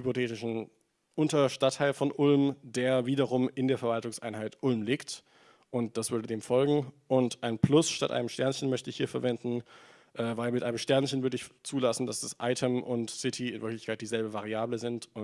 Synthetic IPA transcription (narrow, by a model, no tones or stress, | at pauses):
ypotʰeːtɪʃn̩ | ʔʊntɐʃtatʰːaɪlfɔnʔʊlmdeːɐviːdɐʁʊmɪndeːɐfɛɐvaltʊŋsʔa̰ɪnɦaɪtʔʊlmliːkt | ʔʊntd̥asv̥ʏɐdədeːmfɔlɡŋ̩ʔʊntʔaɪnplʊsʃtatʔa̰ɪnəmʃtɛɐnçən̩mœçtəɪçhiːɐfɛɐvɛndn̩ | ʔɛːvaɪlmɪtʔaɪnəmʃtɛɐnçənvʏɐdəɪçt͡suːlasn̩dasd̥asʔa̰ɪtʰəmʔʊ̰ntsɪtʰiɪnvɪɐklɪçkʰaɪt̚d̥iːzɛlbəvaʁiaːbləzɪntʊ